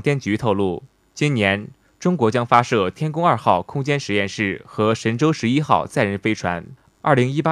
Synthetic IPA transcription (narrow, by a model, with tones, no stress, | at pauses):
t̪jɛ˥˩nt͡ɕy˧˥t̪ʰo˥˧ʊlṵ˥˩ | t͡ɕi˥nnjɛ˧˥n | ʈ͡ʂʊ˥ŋkwɔ˧˥t͡ɕjɑ˥ŋfa˥ʂɤ˥˩t̪ʰjɛ˥nkʊ˥ŋɐ˞˥˧xɑ˥˩ʊkʰʊ˥ŋt͡ɕjɛ˥nʂɻ̩˧˥jɛ˥˧nʂɻ̩˥˩xɤ˧˥ʂə˧˥nʈ͡ʂo˥ʊʂɻ̩˧˥i˥xɑ̰˥˧ʊt͡sa˥˩ɪɻə˥˩nfe˥ɪʈ͡ʂʰwa̰˧˥n | ɐ̰˞˥˩li˧˥ŋi˥pa˥